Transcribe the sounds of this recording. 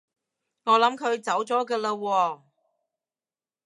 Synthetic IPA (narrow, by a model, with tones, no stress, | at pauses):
ŋɔː˨˧lɐ˨˥mkʰɵ˨˧ɥt͡sɐ˨˥wt͡sɔː˨˥kəː˧lɐː˧wɔː˧